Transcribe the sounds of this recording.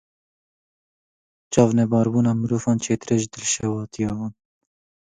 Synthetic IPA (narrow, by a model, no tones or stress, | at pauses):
t͡ʃɑːvnɛbɑːɾbuːnɑːmɨɾuːvɑːnt͡ʃʰeːt̪ɨɾɛʒɨd̪ɨlʃɛwɑːt̪ijɑːwɑːn